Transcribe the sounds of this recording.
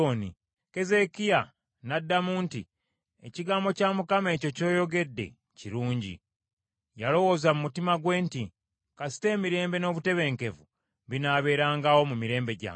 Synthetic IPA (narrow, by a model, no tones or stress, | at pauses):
onḭ | ke̞ze̞kija | nadːamuːnti | ḛciɡaːmbo̞caːmukame̞ːco̞co̞ːjo̞ɡe̞dːe̞̰ | ciɾuːɲɟḭ | jalo̞wo̞zamumutimaɡwe̞ːnti | kasi̥te̞ːmiɾe̞ːmbe̞no̞ːβute̞βe̞ːŋke̞vu | βinaːβe̞ːɾaːŋɡawo̞mumiɾe̞ːmbe̞ɟa̰